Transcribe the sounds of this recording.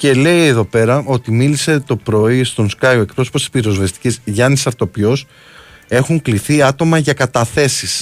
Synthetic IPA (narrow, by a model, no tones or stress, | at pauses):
ce̞le̞jeðo̞pe̞ɾɐʔo̞t̪imilise̞t̪o̞pɾo̞ist̪o̞nskɐjoe̞k̚pɾo̞soposi̥piɾo̞zvest̪i̥cizʝɐnisɐɾt̪o̞pjo̞s | e̞xuŋkliθiɐt̪o̞mɐʝɐkɐt̪ɐθe̞sis